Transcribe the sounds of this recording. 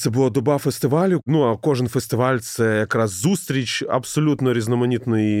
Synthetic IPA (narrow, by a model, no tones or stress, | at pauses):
t̪ɛbʊlˠad̪ɔbafɛst̪ɪʋalʲʊnuɐkɔʐɨnfɛst̪ɪʋalʲt̪sɛjɐkɾasːust̪ɾʲit͡ʃɐ̰bsɐlʲut̪nɔɾʲiznɔmɐnʲit̪nɪj